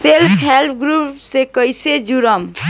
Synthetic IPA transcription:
selpʰɦelpʰɡɾupsekəjsed͡ʒuɾəm

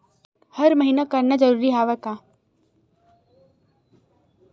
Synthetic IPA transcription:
hɐɾməɦinakɐɾnad͡ʒəɾuːɾiɦaːʋəka

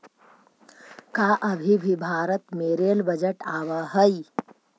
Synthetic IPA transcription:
kaːʔɐbʱibʱibʱaːɾət̪meːɾeːlbɐd͡ʒəʈaːʋaɦɐi

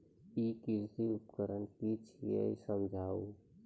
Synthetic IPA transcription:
ikiɾt̪iʊpkəɾənkit͡ʃʰiḛisəmd͡ʒʱaːu

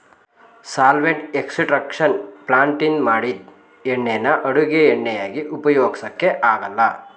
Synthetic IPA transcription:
saːlʋeɳʈeksiʈɾɐkʂɐnplaːɳʈinmaːɽi | eɳːejnːɐʔɐɽuɡeeɳːɛjaːɡiʔupɐjoːɡisɐkːeʔaːɡɐlːɐ

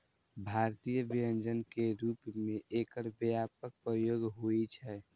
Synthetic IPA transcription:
bʱaɾt̪ijəbijənd͡ʒənkeɾuːpmeʔekəɾbjapək̚pɾəjoːɡɦoit͡ʃʰɛ

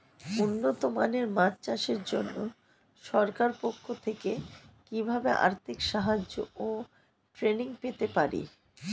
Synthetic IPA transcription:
unːot̪omaneɾmat͡ɕt͡ɕaʃeɾd͡ʑonːo | ʃɔɾkaɾpokʰːot̪ʰekekibʱabḛʔa̰ɾt̪ʰikʃaɦad͡ʑo̰ʔo | ʈɾeniŋpet̪epaɾḭ

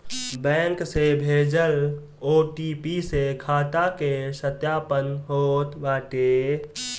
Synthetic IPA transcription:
bɛ̃ːŋksebʱeːd͡ʒəl | oːʈiːpisekʰaːt̪akesət̪jaːpənɦoːt̪baːʈe

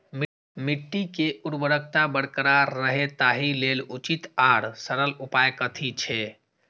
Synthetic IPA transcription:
m | miʈːikeʔuɾbəɾək̚ʰt̪abəɽkəɾaɾəɦet̪aɦilelut͡ʃit̪aɽsəɾəlupajkət̪ʰit͡ʃʰɛ

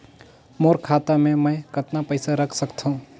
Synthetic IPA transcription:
moːɾkʰaːt̪amẽməjkət̪napəɪsaɾəkʰsəkt̪ʰũ

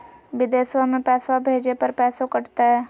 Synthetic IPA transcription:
ʋɪd̪eːswəmẽpɛːsabʱeːd͡ʒepɐɾpɛːsokɐʈt̪aɦɛː

